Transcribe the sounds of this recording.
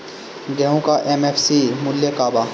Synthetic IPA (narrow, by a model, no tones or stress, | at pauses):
ɡɛɦũkaʔemeːpʰsimʊlːjekaːbaː